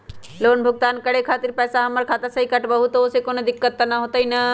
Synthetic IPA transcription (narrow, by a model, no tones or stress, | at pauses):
loːnbʱʊɡ̚t̪aːnkəɽekʰaːt̪iɾpɛːsaɦɐməɾkʰaːt̪asɐɦikɐʈbəɦut̪ooːsekonod̪ɪkːət̪ːanaɦot̪ɐinɐ